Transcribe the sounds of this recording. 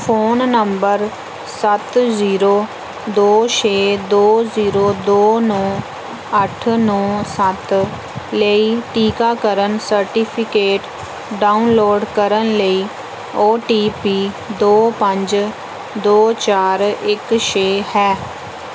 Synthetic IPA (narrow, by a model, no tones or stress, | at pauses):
pʰoːnːəmbəɾ | sət̪ziːɾoː | d̪oːt͡ʃeːd̪oːziːɾoːd̪oːnɔː | əʈʰnɔːsət̪ | ləiːʈiːkaːkəɾənsəɾʈiːpʰɪkeːʈ | ɖaːunloːɖkəɾənləiː | oːʈiːpiː | d̪oːpəɲd͡ʒ | d̪oːt͡ʃaːɾɪkʃeːhɛː